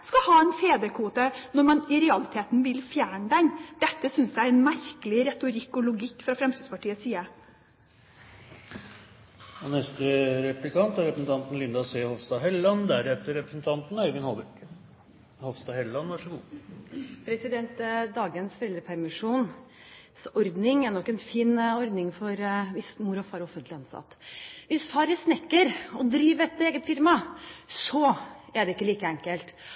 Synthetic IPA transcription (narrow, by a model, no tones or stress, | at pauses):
skɑhɑːɛnfeːd̪əɾkʰuːt̪ənɔɾmɑnɪɾɛɑlɪt̪ʰeːt̪n̩ʋɪlfjæːɳɖ̪ænd̪̥ɛt̪ːəsʏnsæɛnmæɾkəlɪɾɛt̪ʊɾɪkːʊlʊɡɪkːfɾɑfɾɛmst̪id̪spɑʈʰiːəsiːə | ɔnɛst̪əɾɛplɪkʰɑnt̪æɾɛpɾəsn̩t̪ɑnt̪n̩lɪnd̪ɑseːhɔʋst̪ɑːɦɛlːɑnd̪æɾɛt̪ːəɾɛpɾə̥sn̩t̪ʰɑnt̪n̩œʏɡənhɔlbək | hɔʋst̪ɑːhɛllɑnʋɑʂəɡuː | pʰɾɛsɪd̪ɛnt̪d̪ɑːɡənsfɔɾɛlɾəpʰæɾmɪʂuːn | sɔɾd̪nɪŋɛnɔkːɛnfiːnɔɾd̪nɪŋfɔɾʋɪsmʊɾɔfɑːɾɔfːənt̪lɪɑnsɑ̰t̪ːʋɪsfɑːɾjæsnɛkːəɾɔd̪ɾiːʋɛt̪ːeːɡənfɪɾmɑsɔɛɖ̪ɛɪkːəliːkəɛŋkəlt̪